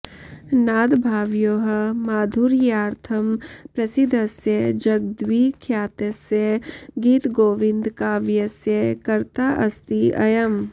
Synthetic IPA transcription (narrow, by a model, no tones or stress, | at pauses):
naːd̪bʱaːʋjoːɦɐ̆maːd̪ʱuɾjaːɾt̪ʰɐmpɾɐsid̪ʱɐsjed͡ʒɐɡ̚d̪wiːkʰjaːt̪ɐsjeɡiːt̪ɡoːʋɪnd̪kaːʋjɐsjekɐɾt̪aːʔɐst̪iɐ̰jɐm